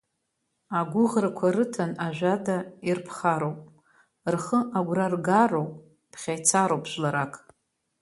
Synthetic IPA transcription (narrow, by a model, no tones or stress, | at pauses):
aɡʷʊʁrakʷʰaɾɨtʰanaʒʷᶣadairpʰχaɾowpʼ | rχəʔaɡʷrarɡarowpʼ | pʰχʲajt͡sʰaɾowpʰʼʃʷlaɾakʼ